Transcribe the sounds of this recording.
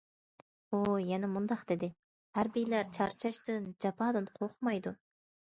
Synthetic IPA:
ojɛnamund̪ɑqd̪̥ed̪ɪ | hæɾbijlæɾt͡ʃʰɑɾt͡ʃʰɑʃt̪ɯnd͡ʒɑpɑd̪ɯnqʰoqmɑjd̪u

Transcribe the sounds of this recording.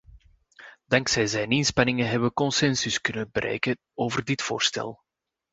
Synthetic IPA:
d̥ɑŋksɛjzɛjnɪnspɑnɪŋəɦɛbəkɔnsɛnsʏskɵnənbəɾʔɛ̰jkən | oːvərdɪtfo̰ːrstɛ̰lˠ

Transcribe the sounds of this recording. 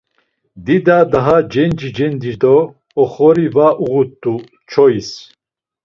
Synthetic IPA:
d̪id̪ad̪aɦad͡ʒɛnd͡ʒid͡ʒɛnd̪id̪ɔː | χɔɾivaʔuɣut̪ʼːu | t͡ʃʰɔis

